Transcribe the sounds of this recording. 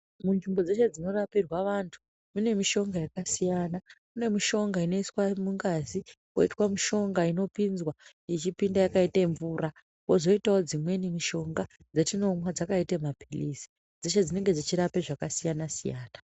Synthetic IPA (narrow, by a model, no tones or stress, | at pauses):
munʐimbo̞d͡ze̞ʃe̞d͡zino̞rapirwaʋantʰu̥ | mune̞miʃo̞ŋɡajakasijanamune̞miʃo̞ŋɡaino̞iswamuŋɡazi | ko̰itwamiʃo̞ŋɡaino̞pinzwa | it͡ʃipindajakaiteɱvuːɾa | kozo̞itao̞d͡zimwe̞nemiʃo̞ŋɡa | d͡zetino̞mwad͡zakaitemapilisi̥ | d͡zeʃed͡zine̞ŋɡe̞d͡zit͡ʃiɾapeʐakasijanasija̰ːna